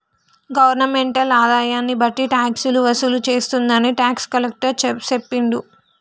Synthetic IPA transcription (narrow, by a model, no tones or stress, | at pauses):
ɡɐʋɐɾnɐmeɳʈɐlaːd̪aːjaːnːibɐʈːiʈaːksuluʋɐsulut͡ʃe̞ːst̪und̪ɐniʈaːkskɐlek̚ʈɐɾt͡ʃt͡ʃepːiɳɖ̪u